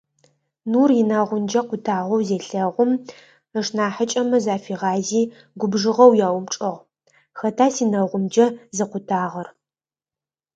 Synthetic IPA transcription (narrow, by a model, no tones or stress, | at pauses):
nuːrjɪnaːʁʷʊmd͡ʒɐqʷʊtʰaːʁʷɔwzeːɬɐʁʷʊm | əʂnaːħət͡ʃʼɐmɐzaːfiːʁɑːziː | ɡʷʊbʐɨʁɐwjaːwʊmʈ͡ʂʼɐʁʷ | xɐtʰaːsiːnɐʁʷʊmd͡ʒɐzɨqʷʊtʰaːʁɐr